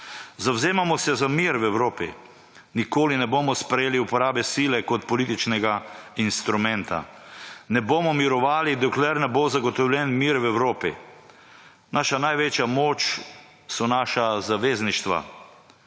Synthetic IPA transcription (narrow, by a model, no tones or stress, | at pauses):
zawzeːmamɔsɛzamiɾwɛwɾoːpḭ | nikoːlinɛboːmɔspɾɛjeːliupɔɾaːbɛsiːlɛkɔt̪pɔliːt̪it͡ʃnɛɡainst̪ɾumɛnt̪a̰nɛboːmɔmiɾɔʋaːlid̪ɔklɛɾnɛbozaɡɔt̪ɔwlʲjɛnmiːɾwɛwɾoːpi | naːʃanajʋet͡ʃjamoːt͡ʃ | sɔnaːʃazaʋeːzniʃt̪ʋa̰